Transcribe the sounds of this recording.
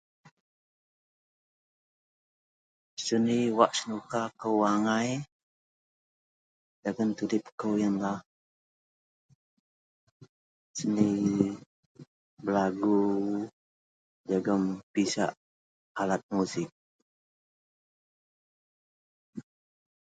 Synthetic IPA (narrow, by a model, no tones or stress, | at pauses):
səniwaʔsənukakəwaŋaj | d͡ʒaɡənt̪udɪp̚kəwjənlah | səni | bəlaɡu | d͡ʒaɡəmpisa̰ʔ | alat̪̚musɪk̚